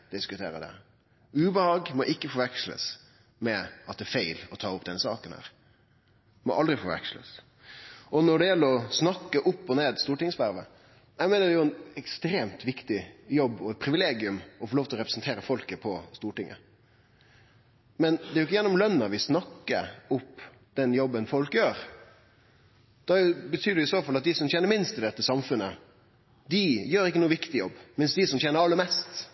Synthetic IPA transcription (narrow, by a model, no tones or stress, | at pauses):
d̪̥ɪskʉt̪ʰḛːɾə̰d̪ɛ̰ | ʉːbəhɑːɡmɔʔɪkːəfɔɾʋækslə̰s | mɛɑt̪̚d̪ɛːɾfæɪlɔt̪ʰɑːʊpːd̪ɛnəsɑ̰ːkənhæ̰ːɾ | mɔ̰ʔɑld̪ɾɪfɔɾʋæ̰kslə̰s | ɔnɔɖɛjɛlːəɾɔsnɑkːəʔʊpːɔneːd̪st̪uːʈɪŋəsʋæɾʋə | æɪmɛːnədɛjʊɛnɛkst̪ɾeːmt̪ʋɪkt̪ɪjɔbːɔɛt̪̚pʰɾɪʋɪleːɡɪʉmɔfɔːɭoːʋt̪ʰlɔɾɛpɾəsnt̪ʰeːɾəfɔlkəpʰɔst̪uːʈɪŋʔə̰ | mɛnd̪ɛɪʊɪk̬ːəjɛnːɔmlœnːəʋɪsnɑkːə̰ʊp | d̪̥ɛnjɔbːənfɔlkəjøːɾ | d̪̥ɑbət̪ʰyːd̪ɛʊɪsoːfɑlɑt̪̚d̪ɪsɔmçɛnːəɾmɪnst̪ɪd̪ɛt̪ːəsɑmfʉnːə | d̪ɪjøːɾɪkːənuːəʋɪkt̪ɪjɔbːmɪnsd̪ɪsɔmçɛnəɾɑlːəɾmɛst̪